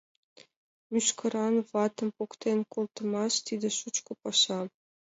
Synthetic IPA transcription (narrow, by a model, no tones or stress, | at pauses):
myʃkɤ̆ɾɑnβɑt̪ɤ̆mpukt̪enʲkult̪ɤ̆mɑʃt̪id̪ʲĕʃut͡ɕkɤ̆pɑʃɑ